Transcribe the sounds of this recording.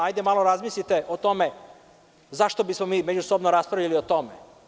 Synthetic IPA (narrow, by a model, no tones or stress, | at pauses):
ajd̪e̞malˠo̞ɾazmislʲit̪e̞ʔot̪o̞me̞ | zaʃt̪o̞bismo̞miːmed͡ʑusobnoɾaspɾavʎʲaliot̪o̞me